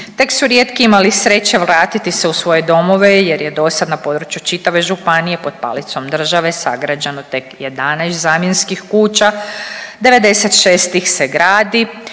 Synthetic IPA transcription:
t̪e̞ksuɾje̞ːt̪kiimalisɾe̞t͡ɕe̞ʋɾaːt̪it̪iseusʋo̞je̞d̪o̞mo̞ʋejeɾjed̪o̞sad̪napo̞d̪ɾut͡ʃjut͡ʃit̪aʋe̞ʒupanije̞po̞d̪̚pa̰lit̪so̞md̪r̩ʒaʋe̞sa̰ɡɾad͡ʑanot̪e̞kjed̪anajst̪zaːmjenskixkuːt͡ɕad̪e̞ʋe̞d̪e̞se̞t̪ʃeːst̪ixseɡɾaːd̪i

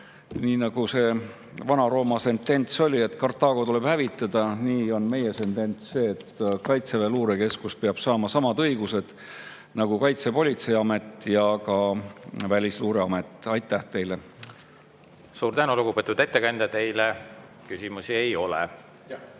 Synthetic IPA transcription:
niːnɑɡ̥use̞ | vɑnɑɾo̞ːmɑse̞nt̪ːˑe̞nt̪so̞lʲie̞t̪ˑkɑrt̪ːˑɑːɡ̥o̞t̪ule̞b̥hævit̪ˑːɑd̪̥ɑniːo̞nme̞je̞se̞nt̪e̞nt̪sːe̞ːt̪ːkɑjt̪seveluːɾeke̞skuspeɑb̥sɑːmɑsɑmɑd̪ɤjɡ̥use̞d̪̥ | nɑɡ̥ukɑjt̪se̞po̞lʲit̪sejɑme̞t̪ːˑjɑkɑvælʲisluːɾe̞ɑme̞t̪ːˑɑjt̪ˑːæht̪e̞jle̞ | suːɾt̪ænuluɡupeːt̪ud̪e̞t̪ːekɑnʲd̪ɑt̪e̞jle | kysimusiejo̞lḛ

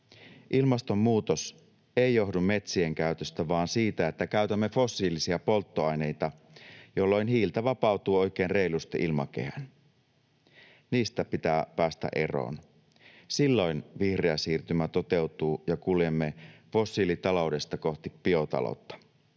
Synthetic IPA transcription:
ʔilmɑst̪o̞mːuːt̪os | e̞jjo̞ɦdummːe̞t̪sieŋk̟æyt̪øst̪æʋɑːnsiːt̪æet̪ːækæyt̪æmːe̞fo̞sːiːlisiɑpo̞lt̪ːoɑjne̞jt̪ɑ | jo̞lːo̞jnɦiːlt̪ɑʋɑpɑwt̪uːo̞jk̟eːnre̞ilust̪eʔilmɑ̰ke̞̰hæ̰n | niːst̪æpit̪æːpæːst̪æ̰ʔe̞ro̰ːn | silːo̞jnʋihreæsiːrt̪ymæt̪o̞t̪e̞wt̪uːjɑkuljemːefo̞sːiːlit̪ɑlo̞wde̞st̪ɑko̞ht̪ipːio̞t̪ɑ̰lo̰t̪ːɑ̥

